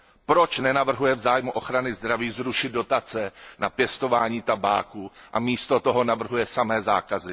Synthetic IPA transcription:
pɾo̞t͡ʃnɛnavr̩ɦujɛvzaːjmuʔo̞xɾanɪzd̪ɾaviːzɾuʃɪd̪̚do̞t̪at͡sɛnapjɛst̪o̞vaːɲiːt̪aba̰ːkuʔamiːst̪o̞t̪o̞ɦo̞navr̩ɦujɛsamɛːzaːkazɪ

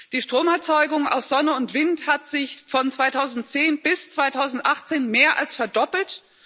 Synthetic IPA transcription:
d̥iːʃtʁ̥oːmɛɐt͡sɔʏɡʊŋa̰ʊsz̥ɔnəʊntv̥ɪnthatz̥ɪçfɔnt͡sv̥aɪtʰaʊzn̩tt͡seːnbɪst͡sv̥aɪtʰaʊzn̩tʔaχt͡seːnmeːɐʔa̰lsfɛɐdɔpl̩t

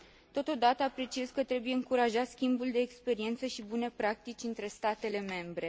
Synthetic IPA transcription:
t̪o̞t̪o̞d̪at̪əapɾe̞t͡ʃie̞zkət̪ɾe̞buje̞ɨŋkuɾaʒat̪skʲimbuld̪e̞ːkspe̞ɾie̞nt̪səʃibune̞pɾak̚t̪it͡ʃʲɨnt̪ɾe̞st̪at̪e̞le̞me̞mbɾe̞

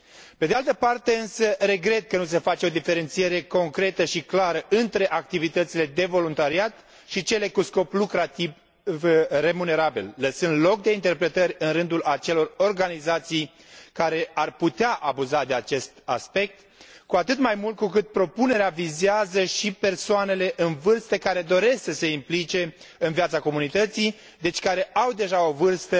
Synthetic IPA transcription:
pe̞d̪ealt̪əpart̪e̞ɨnsəre̞ɡɾe̞t̪̚kənus̬e̞fat͡ʃeo̞d̪ife̞ɾe̞nt̪sije̞ɾe̞ko̞ŋkɾe̞t̪əʃiklaɾəʔɨnt̪ɾe̞ʔak̚t̪ivit̪ət̪sile̞d̪e̞vo̞lunt̪aɾiat̪ | ʃit͡ʃe̞le̞kusko̞plukɾat̪iv | vre̞mune̞ɾabilːəsɨnd̪lo̞k̚d̪e̞int̪e̞rpɾe̞t̪əɾʲɨnɾɨnd̪ulat͡ʃe̞lo̞ro̞rɡanizat̪sij | kaɾe̞arput̪eaʔabuzad̪e̞at͡ʃe̞st̪a̰spe̞k̚t̪ | kuat̪ɨt̪majmult̪̚kukɨt̪̚pɾo̞pune̞ɾeavizeazəʃipe̞rsoane̞le̞ʔɨnvɨrst̪əkaɾe̞d̪o̞ɾe̞sksəse̞implit͡ʃe̞ | ɨnvjat̪sako̞munit̪ət̪si | d̪e̞t͡ʃʲkaɾe̞ʔawd̪e̞ʒao̞vɨrst̪ə

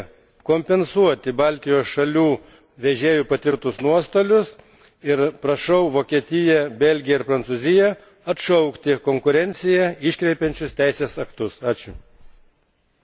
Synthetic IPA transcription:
koːmʲpʲɛnsuɔt̪ʲɪbɑlʲt̪ʲɪjoːsʃɐlʲuː | ʋʲɛʒʲeːjʊpɐt̪ʲɪɾt̪ʊsnuɔst̪oːlʲʊs | ɪɾpɾɐʃɐʊʋoːkʲiɛt̪ʲɪjɛbʲɛlʲɡʲɪjɛɪɾpɾɐnsuːzʲɪjɛ | ɐt̪ʃɐʊkt̪ʲɪkoːŋkʊɾʲɛnʲt̪sʲɪjɛɪʃʲkɾʲɛɪpʲɛnʲt͡ʃʲʊst̪ʲæˑɪsʲeːsɐkt̪ʊsɑːt͡ʃʲʊ

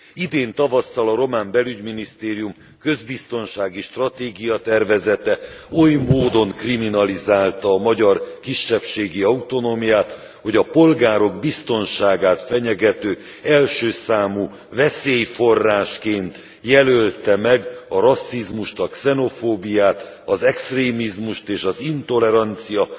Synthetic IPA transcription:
id̪eːnt̪ɒvɒsːɒlɒɾo̞maːmbɛlyɟminist̪eːɾijum | kø̞zbist̪o̞nʃaːɡiʃt̪rɒt̪eːɡijɒt̪ɛrvɛzɛt̪ɛo̞jmoːd̪o̞ŋkriminɒlizaːlt̪ɒːmɒɟɒrkiʃːɛpʃeːɡiɒut̪o̞noːmijaːt̪ | ho̞ɟɒpo̞lɡaːɾo̞ɡbist̪o̞nʃaːɡaːt̪fɛɲɛɡɛt̪øː | ɛlʃøːsaːmuː | vɛseːjfo̞rːaːʃkeːnt̪ | jɛlølt̪ɛmɛɡɒɾɒsːizmuʃt̪ɒksɛno̞foːbijaːt̪ | ɒzɛkst̪reːmizmuʃt̪eːʃɒzint̪o̞lɛɾɒnt̪sijɒ

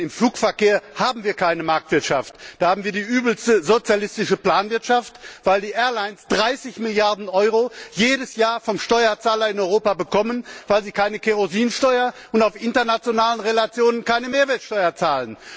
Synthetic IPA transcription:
ɪmfluːkfɛɐkeːɐhaːbm̩viːɐkʰaɪnəmaɐk̚tv̥ɪɐtʃaftd̥aːhaːbm̩viːɐdiːʔyːbl̩stəzot͡sjalɪstɪʃəpl̥aːnvɪɐtʃaftv̥aɪldiːʔɛːɐlaɪnsd̥ʁaɪsɪçmɪljaɐdn̩ʔɔʏʁojeːdəsjaːɐfɔmʃtɔʏɐt͡saːlɐɪnɔʏʁoːpabəkʰɔmənvaɪlziːkʰaɪnəkʰeʁoziːnʃtɔʏɐʔʊntaʊfʔɪntɐnat͡sjonaːlənʁelat͡sjoːnənkaɪnəmeːɐvɛːɐtʃtɔʏɐt͡saːlən

